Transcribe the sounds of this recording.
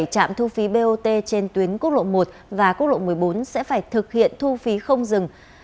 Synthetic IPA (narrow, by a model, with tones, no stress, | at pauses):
jt͡ɕa̰ː˧˨mt̪ʰu˧fi˨˦ɓe˧ʔo˧t̪e˧t͡ɕe˧nt̪wi˨˦ənku˦˥t̚lo̰˧˨nmo˨˩t̚vaː˨˩ku˦˥t̚lo̰˧˨nm˨˩əjɓo˨˦nsɛ̰˧˥faː˧˩jt̪ʰɨ˨˩k̚hḭ˧˨ənt̪ʰu˧fi˨˦xə˧wŋ͡mzɨ˨˩ŋ